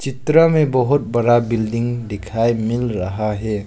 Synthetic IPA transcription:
t͡ʃit̪ɾəmebɔɦut̚bɐɾabildiŋdekʰajmilɾaɦaɦe

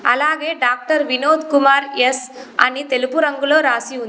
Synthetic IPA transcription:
ɐ̰laːɡe̞ːɖaːk̚ʈɐɾʋinoːd̪kumaːɾesɐ̰nit̪e̞lupuɾɐŋɡulo̞ːɾaːsiun

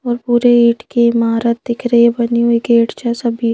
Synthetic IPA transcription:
ɔːɾpuːɾeiːʈkeɪmaːɾət̪̚d̪ɪkʰɾəebɐniɦuikeːʈt͡ʃasɐbʱiː

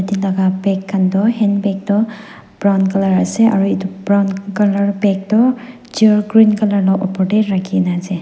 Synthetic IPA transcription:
etilaɡabɛkʰːandɔhɛnbɛk̚tɔ | b̥ɹawnkalaɹasɛʔa̰ɹuitubɹawnkalaɹbɛk̚tɔ | d͡ʒiɔɹɡɹinkalaɹlɔʔɔpɔɹdɛtɹakʰinazɛ

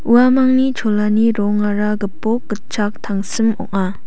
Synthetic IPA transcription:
uwamaŋnit͡ʃʰolaniɾɔŋaɾaɡɯpɔk̚ɡɯt͡ʃʰak̚tʰaŋsɯmɔ̰ʔ̚a

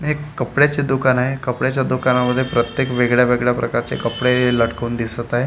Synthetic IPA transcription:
ɦekːəpɽjat͡ɕed̪ukanaɦekəpɽjat͡ɕjad̪ukanaməd̪ʱːjepɾət̪jekʋeɡɭjaʋeɡɭjapɾəkaɾt͡ɕḛkəpɽeləɽkəund̪isət̪aɦe

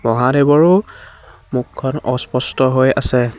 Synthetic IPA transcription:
mɔɦadebɔɹʊ | mukʰːɔnɔ̰spɔstɔɦojasɛ

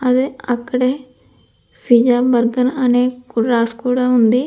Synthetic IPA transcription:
əd̪eːəkɽeː | pʰid͡ʒaːbəɾɡənəneːkʊɾaːskuːɽaːɦʊnd̪iː

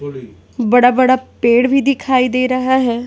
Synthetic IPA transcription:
bəɽaːbəɽaːpeːɽbʱiːd̪ɪkʰaːiːd̪eːɾəɦaːɦɛː

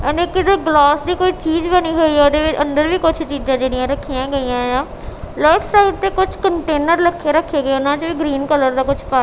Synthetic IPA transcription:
ənekɪd̪ɡlaːsd̪iːkoːit͡ʃiːd͡ʒbɐniɦoiɦɛʊd̪eːʋɪt͡ʃʔɐ̰̃nd̪əɾbʱikʊt͡ʃʰt͡ʃiːd͡ʒãd͡ʒeːɽijãɾɐkʰːijãɡɐijãːɦɪjãː | ləɾʈsaɪʈ̚t̪ekʊt͡ʃʰkəɳʈeːnəɾlɐkʰeɾɐkʰeɡəeʊnãt͡ʃbiɡɾiːnkələɾd̪aːkʊt͡ʃʰpaː

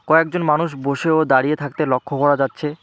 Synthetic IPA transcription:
kɔekd͡ʑonmanuʃboʃeod̪aɾijet̪ʰak̚t̪elɔkʰːokɔɾad͡ʑatːɕʰe

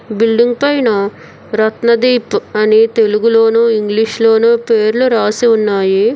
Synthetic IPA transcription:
bilɖiŋɡ̚pɐjnɐ | ɾɐt̪nɐd̪iːpuɐnit̪e̞luɡulo̞ːnuːiŋɡliʂlo̞ːnuːpeːɾluɾaːsiunːaːji

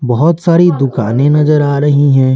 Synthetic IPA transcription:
bɐɦʊt̪saːɾid̪ʊka̰ːnẽnɐzəɾaːɾɐɦiɦɛ̃ː

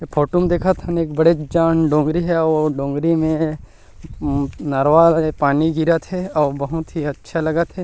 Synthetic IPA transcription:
pʰoːʈumd̪eːkʰat̪ʰɦɐneːkbɐɽed͡ʒaːnɖõːŋɡɾiɦɛɔːɾɖõːŋɡɾimẽ | nɐɾʋaepaːniɡiɾat̪ɦɛɔːɾbɐɦʊt̪ɦiɐtːʃʰalɐɡat̪ɦɛ

